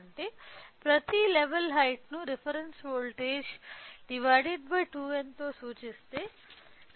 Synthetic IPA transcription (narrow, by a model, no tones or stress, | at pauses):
ɳʈeːpɾɐt̪ileʋɐlɦɐjʈnuɾipʰɐɾensʋoːlʈeːd͡ʒɖiʋɐjɖeɖ̚bɐjʈuːent̪oːsuːt͡ʃist̪eː